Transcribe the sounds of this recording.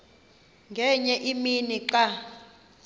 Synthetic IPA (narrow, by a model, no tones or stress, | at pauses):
ŋɡʱɛɲɛʔiminiǃa